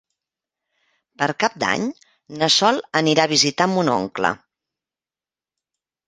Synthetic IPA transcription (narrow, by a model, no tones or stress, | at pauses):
pəɾkap̚d̪a̰ɲ | nəsɔlˠəniɾaβ̞izit̪ambuno̰ŋklə̰